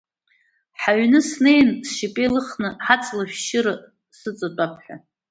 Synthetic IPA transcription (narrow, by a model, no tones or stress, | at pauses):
ħaɥnɨsne̞jnsʃipʼelɨχnɨħat͡sʼlaʃʷᶣʃɪɾɨ | sɨt͡sʼat͡pʼapʰħa̰